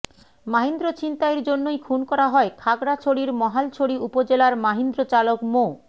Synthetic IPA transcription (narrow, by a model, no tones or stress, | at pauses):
maɦind̪ɾot͡ɕint̪aeɾd͡ʑonːojkʰunkɔɾaɦɔekʰaɡɽat͡ɕʰoɽiɾmɔɦalt͡ɕʰoɽiupod͡ʑelaɾmaɦind̪ɾot͡ɕalokmo